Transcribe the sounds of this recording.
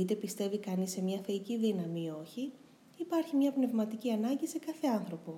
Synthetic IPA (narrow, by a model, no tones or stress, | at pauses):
it̪e̞pist̪e̞vikɐnisemɲɐfeiciðinɐmio̞çi | ipɐɾçimɲɐpne̞vmɐt̪iciɐnɐɲɟise̞kɐθe̞ɐnθɾo̞po̞